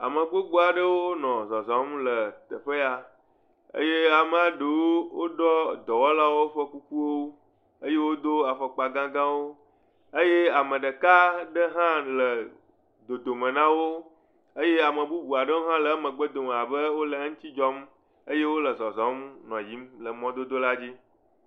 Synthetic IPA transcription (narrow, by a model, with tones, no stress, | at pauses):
a̰˨mə˨ɡ͡bo˦ɡ͡bu˦a˨ɖə˦wo˦wo˦nɔ̃˨zɔ˨zɔ˨˦mlə˨t̪ə˨ɸə˦ja˨ | ə̰˦je˦a˨mə˦a˦ɖə˨wo˦wo˦ɖɔ˦d̪ɔ˨wɔ˦la˦wo˦ɸə˦ku˦ku˦wo˦ | ə˦je˦wo˦d̪o˦a˨ɸɔ˨k͡pa˨ɡã˦ɡã˦wo˦ | ə˦je˦a˨mə̃˨ɖə˨ka˦ɖə˦ɦã˦lə˨ | d̪o˨d̪o˨mə̃˨nã˦wo˦ | ə˦je˦a˨mə̃˨bu˦bu˨a˨ɖə˦wo˦ɦã˦lə˨a˦mə̃˨ɡ͡bə˦d̪o˨m˨a˨bə˦wo˦lə˨a˦ŋ̩̃˦t̪i˦d͡ʒɔ˦m | ə˦je˦wo˦lə˨zɔ˨zɔ̃˨˦mnɔ̃˨ji˨˦mlə˨mɔ̃˦d̪o˦d̪o˦la˦d͡ʑi˦